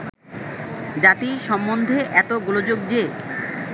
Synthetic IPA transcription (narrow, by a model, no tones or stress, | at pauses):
d͡ʑat̪iʃɔmːond̪ʱeʔɛt̪oɡulod͡ʑoɡ̚d͡ʑe